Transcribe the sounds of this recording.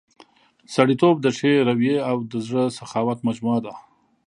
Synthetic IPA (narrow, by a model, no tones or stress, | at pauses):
saɽit̪ob̚d̪əʂeɾawjeawd̪əzɽəsaxɑwat̪mad͡ʒmuad̪a